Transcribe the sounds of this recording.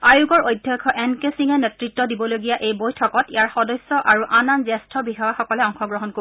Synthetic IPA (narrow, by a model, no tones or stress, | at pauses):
ajuɡɔɹojdʱjɔkʰɔʔɛnkesiŋɛnɛtɹitːɔdibɔloɡijaʔejbojtʰɔkɔtijaɹxɔdɔjsːɔʔaɹuʔananzɛstʰɔbixawaxɔkɔlɛɔŋxɔɡɹɔɦɔnko